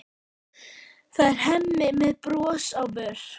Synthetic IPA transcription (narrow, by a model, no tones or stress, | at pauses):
θaðɛɾ̥hɛmːɪmɛðpɾɔːsawvœɾ̥